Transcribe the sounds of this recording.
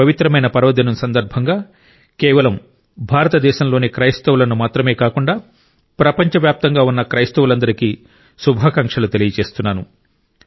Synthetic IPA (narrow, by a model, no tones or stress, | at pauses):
ɐʋit̪ɾɐmɐjnɐpɐɾɐʋɐd̪inɐmsɐnd̪ɐɾbʱɐŋɡaː | kɛːʋɐlɐm | bʱaːɾɐt̪ɐd̪ɛːʃɐmlo̞ːnikɾɐjst̪ɐʋulɐnumaːt̪ɾɐme̞ːkaːkuɳɖaː | pɾɐpɐɲt͡ʃɐʋjaːp̚t̪ɐŋɡaːunːɐkɾɐjst̪ɐʋulɐnd̪ɐɾiki | subʱaːkaŋkʂɐlut̪e̞lijɐt͡ʃe̞ːst̪unːaːnu